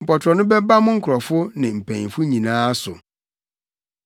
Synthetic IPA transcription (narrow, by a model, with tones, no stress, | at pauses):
m̩˨pɔ˨tʰɾɔ˨nʊ̃˦bɛ˦ba˦mʊ̃˦ŋ̩˦kʰɾɔ˨fʊ˦nɪ̃˨m̩˨pʰæ̃˨fʊ˦ɲĩ˨nãː˦sʊ˨